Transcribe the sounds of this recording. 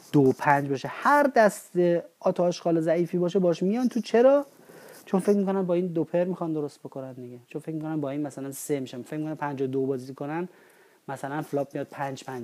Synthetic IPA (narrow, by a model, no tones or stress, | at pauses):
d̪̥opʰænd͡ʒbɒːʃehæɾd̪æst̪eɒːt̪ʰɒeʃɡɒːlezæiːfiːbɒːʃ̬ebɒːʃmijɒnt̪ʰut͡ʃʰe̞ɾɒː | t͡ʃʰo̞nfe̞cmikʰonæmbɒːiːnd̪opʰeɾmixɒnd̪oɾost̪̚bo̞ko̞nænd̪iɟet͡ʃʰonfe̞cʲmikʰonæmbɒːiːnmæsælænsemiʃæmfecʰʲmikonæmpʰænd͡ʒɒd̪obɒːzikʰonæn | mæsælænflɒːb̚mijɒːd̪̚pʰænd͡ʒpʰænd͡ʒ